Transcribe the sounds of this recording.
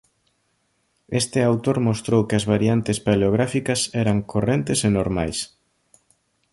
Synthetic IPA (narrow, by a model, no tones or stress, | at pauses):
est̪ɪawt̪oɾmost̪ɾowkɪɐzβaɾjant̪ɪspaleoɣ̞ɾafikɐsɛɾɐŋkʰorɛnt̪ɪsenoɾma̰js